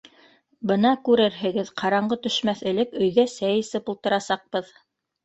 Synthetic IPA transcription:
bɤ̆nɑkʉɾɘɾɦɘ̆ɡɘðqʰɑɾɑɴɢɤt̪ɵ̆ʃmæθɘ̆lɘkɵ̆jɣæsæjɘ̆sɘpulˠt̪ɤ̆ɾɑsɑq̚bɤð

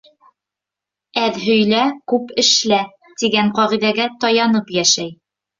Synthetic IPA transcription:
æðɦɵ̆jlækʉpɘ̆ʃlæ | t̪iɡæɴqɑʁiðæɡæt̪ɒjɑnɤpjæʃæj

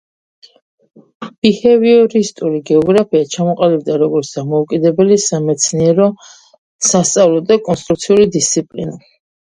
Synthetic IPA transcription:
b̥ihɛviɔɾist̪ʼuɾiɡɛɔɡɾapʰiat͡ʃʰamɔqʼalib̚d̪aɾɔɡɔɾt̪sʰd̪amɔukʼid̪ɛbɛlisamɛt̪sʰniɛɾɔ | sast̪sʼavlˠɔd̪akʼɔnst̪ʼɾukt̪sʰiulid̪ist̪sʰipʼlḭna

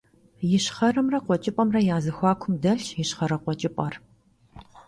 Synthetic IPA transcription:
jɪɕχɐrɐmrɐqʷɔt͡ʃʼɪpʼɐmrɐjaːzɐxʷɑːkʷʰʊmdɐɬjɪɕχɐɾɐqʷɔt͡ʃʼɪpʼɐr

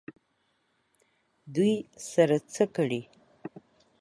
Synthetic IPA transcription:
d̪ujsaɾat͡səkəɽi

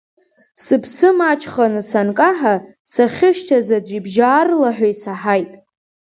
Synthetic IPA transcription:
sɨpʰsɨmat͡ʃʰʼχanɨsankʼaħa | saχʲɪʃt͡ʃʰazadʷibʒaːrlaħʷᶣaisaħajtʼ

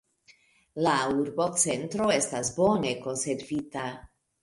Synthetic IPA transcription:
lauɾbo̞t͡se̞ntɾo̞e̞stasbo̞ne̞ko̞nse̞ɾvita

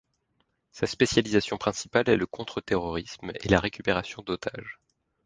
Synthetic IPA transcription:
saspesjalizasjɔ̃pχɛ̃si̥palɛləkʰɔ̃t̪χət̪eʁɔʁismḛlaʁekʲypeʁasjɔ̃d̪ot̪ʰa̰ʒ

